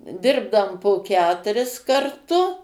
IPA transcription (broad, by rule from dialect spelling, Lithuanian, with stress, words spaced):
ˈdʲɪrbdɐm poː ˈkʲæːtʊrʲɪs kɐrˈtʊ